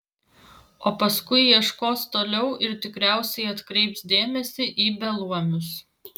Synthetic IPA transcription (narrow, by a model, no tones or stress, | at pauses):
oːpɐskʊɪiɛʃkoːst̪oːlʲɛʊʔɪɾt̪ʲɪkɾʲæˑʊsʲɛɪɐt̪kɾʲɛɪpsd̪ʲeːmʲɛsʲɪʔiːbʲɛlˠuɔmʲʊs